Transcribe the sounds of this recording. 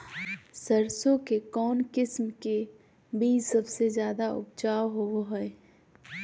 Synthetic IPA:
səɾsõkekɔːnkɪsmke | bʱisəbsezjaːd̪aʊ̰bt͡ʃaːwɦoɦɛ

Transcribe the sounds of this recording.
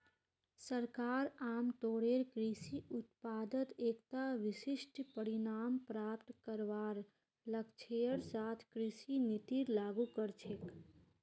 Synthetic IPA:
səɾkaːɾaːmt̪oːɽeːɾkɾisiʊt̪̚paːd̪ət̪eːkt̪aʋɪsɪʃʈpəɾinaːmpɾaːpt̪kəɾʋaːɾ | ləkt͡ʃʰejəɾsaːt̪ʰkɾiːsinit̪iɾlaːɡukəɾt͡ʃʰek

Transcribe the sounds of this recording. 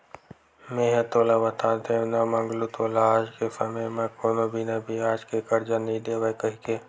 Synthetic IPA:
mẽːɦet̪oːlabɐt̪aːt̪eɦũnamɐ̃ŋɡlut̪oːlaaːd͡ʒkefɐmemãkoːnobʱinɐbʱiaːd͡ʒkekɐɾd͡ʒanɐĩd̪eːʋajkɐɦike

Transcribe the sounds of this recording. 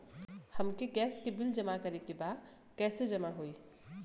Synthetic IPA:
hɐmkeɡɛːskebɪld͡ʒɐmakəɾekebaːd̪ | kɛːsed͡ʒɐmaɦoːiː

